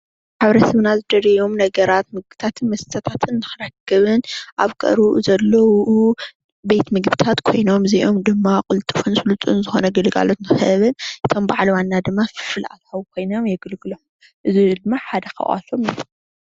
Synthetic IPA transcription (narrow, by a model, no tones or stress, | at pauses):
ħaβɾɐsɐβnazɨd̪ɐɾejo̞mnɐɡɐɾat̪mɨɡ̚bɨt̪ʰat̪ʰɨnmɐst̪ʰɐt̪ʰat̪ʰɨnːɨxɨɾakʰːɨβɨnʔaβkʼɐ̰ɾuʔzɐlːɐwu | bet̪mɨɡbɨt̪ʰat̪kʰo̞jno̞mziʔo̞md̪ɨmːakʼʊlt̪ʼɨfunsɨlut̪ʼunzɨxonɐɡɨlɡa̰lo̞t̪nɨxɐ̰ʔβɨnʔɨt̪ʰo̞mbaʕliwanːad̪ɨmːafɨ̥fɨlʔa̰t̪ħawkʰo̞jno̞mjɛɡɨlɡɨlħu | ʔɨzid̪ɨmːaħad̪ɐxɐ̰ʔʔa̰tːomil